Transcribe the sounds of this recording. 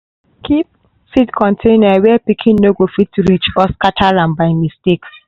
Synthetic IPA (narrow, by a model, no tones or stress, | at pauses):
kʰip̚ | sitkʰɔ̃ntʰẽnawɛpikʰĩnːoɡofitːuɾit͡ʃɔskatʰalãnbaɪmisteks